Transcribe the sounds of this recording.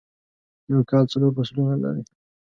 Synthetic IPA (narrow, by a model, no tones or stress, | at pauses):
jowkɑlt͡saloɾbasulunala̰ɾi